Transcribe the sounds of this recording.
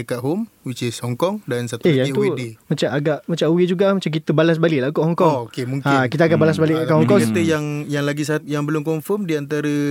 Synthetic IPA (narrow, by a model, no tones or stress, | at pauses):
əkaɦom | wit͡ʃesɔŋkɔŋdansat̪uejaŋit̪uwdemat͡ʃamaɡaʔmat͡ʃawed͡ʒuɡaʔmat͡ʃamk̬it̪əbalas̬balɪʔlakɔʔhɔŋkɔŋokemũŋkakit̪aɡaʔbalas̬balɪʔakaʔɦɔŋkɔt̪əjaŋjaŋlaɡisat̪̚jaŋbəlʊmkɔmfɔmdiant̪aɾə